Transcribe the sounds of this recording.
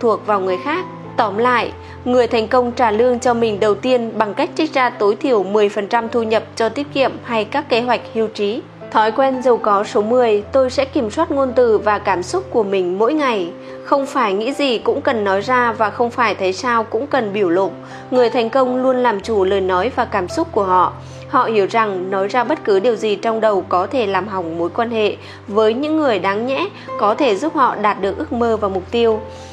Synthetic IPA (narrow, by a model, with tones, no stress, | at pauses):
t̪ʰu˨˩ək̚vaː˨˩wŋɨ˨˩əjxaː˦˥k̚ | t̪ɔ˨˦mla̰ː˧˨j | ŋɨ˨˩əjt̪ʰɛ˨˩jŋ̟kə˧wŋ͡mt͡ɕaː˧˩lɨ˧əŋt͡ɕɔ˧mï˨˩ŋ̟ɗə˨˩wt̪i˧ənɓa˨˩ŋka˦˥k̟̚t͡ɕa˦˥k̟̚zaː˧t̪o˨˦jt̪ʰi˧˩əwmɨ˨˩əjfə˨˩nt͡ɕa˧mt̪ʰu˧ɲə˨˩p̚t͡ɕɔ˧t̪i˦˥ət̚kḭ˧˨əmha˧jkaː˦˥kːe˨˦ɦwa˨˩jk̟̚hi˧wt͡ɕi˨˦ | t̪ʰɔ˨˦jkwɛ˧nzə˨˩wkɔ˨˦so˨˦mɨ˨˩əjt̪o˧jsɛ̰˧˥ki˧˩əmswaː˦˥t̚ŋo˧nt̪ɨ˧˨˩vaː˨˩kaː˧˩msʊ˦˥t̚ku˧˩əmï˨˩ŋ̟mo̰˧˥jŋa˨˩j | xə˧wŋ͡mfaː˧˩jŋḭ˧˥zi˨˩kʊ̰˧˥ŋ͡mkə˨˩nːɔ˨˦jzaː˧vaː˨˩xə˧wŋ͡mfaː˧˩jt̪ʰə˨˦jsaː˧wkʊ̰˧˥ŋ͡mkə˨˩nɓi˧˩əwlo̰˧˨t̚ | ŋɨ˨˩əjt̪ʰɛ˨˩jŋ̟kə˧wŋ͡mlu˧ənlaː˨˩mt͡ɕu˧˩ləː˨˩jnɔ˨˦jvaː˨˩kaː˧˩msʊ˦˥t̚ku˧˩əɦɔ̰˧˨ʔ | hɔ̰˧˨hi˧˩əwza˨˩ŋnɔ˨˦jzaː˧ɓə˦˥t̚kɨ˨˦ɗi˨˩əwzi˨˩t͡ɕɔ˧wŋ͡mɗə˨˩wkɔ˨˦t̪ʰe˧˩laː˨˩mɦa˨˩wŋ͡mmo˨˦jkwaː˧nhḛ˧˨ | vəː˨˦jɲɨ̰˧˥ŋːɨ˨˩əjɗaː˨˦ŋɲɛ̰˧˥ | kɔ˨˦t̪ʰe˧˩zu˦˥p̚hɔ̰˧˨ɗaː˨˩t̚ɗɨ˨˩ək̚ʔɨ˦˥ək̚məː˧vaː˨˩mʊ˨˩k͡p̚t̪i˧əw